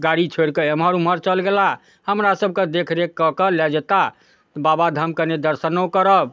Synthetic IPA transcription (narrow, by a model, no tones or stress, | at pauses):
ɡaɽit͡ʃʰeɽkəəmɦəɾuməɾt͡ʃəlɡela | həmɾasəb̚ʱked̪ekʰɾekːəkəlɛd͡ʒet̪a | t̪ɔbabad̪ʱəmkəned̪əɾsənokəɾəb̚